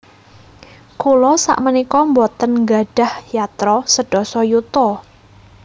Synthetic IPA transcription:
kulɔsa̰ʔmənikɔmbɔt̪ənŋɡaɖ̥a̤hjat̪ɾɔsəɖ̥ɔ̤sɔjut̪ɔ

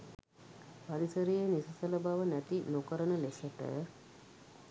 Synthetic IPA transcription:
paɾisəɾijenisəsələbaʋənæt̪inokəɾənəlesəʈə̰

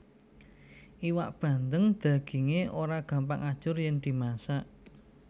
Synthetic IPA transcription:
ʔiwaʔb̥ä̤nd̪əŋd̪̥a̤ɡ̥i̤ŋeʔoɾaɡ̥a̤mpa̰ŋad̥ʒ̥ʊrjɛŋd̪̥i̤masaʔ

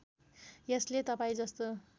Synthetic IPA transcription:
jeslet̪ʌpaĩd͡zʌst̪o

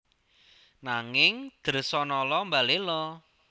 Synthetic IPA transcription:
naŋɪŋd̪̥ə̤rsɔnɔlɔmbalelɔ

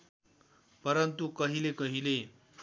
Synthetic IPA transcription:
pʌɾʌnt̪ukʌɦilekʌɦile

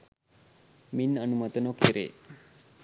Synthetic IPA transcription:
minənumət̪ənokeɾḛ

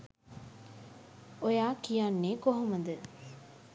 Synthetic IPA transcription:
ojaːkijanːeːkoɦuməd̪ə

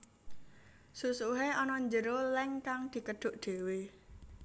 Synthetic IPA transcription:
susuɦeʔɔnɔɲd͡ʒəɾolɛŋkaŋd̪̥i̤kəɖ̪̥ʊ̤ʔɖ̪̥e̤we

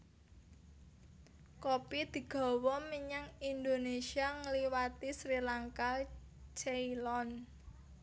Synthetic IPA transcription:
kopid̪̥i̤ɡ̥ɔ̤wɔmiɲaŋind̪onesiaŋəliwat̪isɾilaŋka | t͡ʃeilɔn

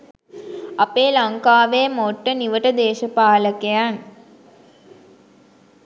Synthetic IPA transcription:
apeːlaŋkaːʋeːmoʈːəniʋəʈəd̪eːʃəpaːləkejan

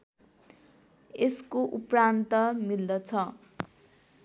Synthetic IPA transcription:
eskoʔuprant̪ʌmild̪ʌt͡sʰʌ

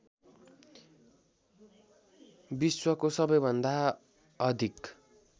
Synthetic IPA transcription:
biswʌkosʌbʌjbʱʌnd̪a | ʌd̪ʱik

